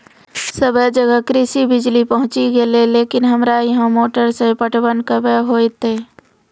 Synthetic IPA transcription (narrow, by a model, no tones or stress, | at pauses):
səbəd͡ʒəɡəkɾɪsibɪd͡ʒlipəɦʊ̃t͡ʃiɡeleleːkɪnɦəmɾajəɦə̃moːʈəɾsẽpəʈʰwənkəbəɦoːit̪eː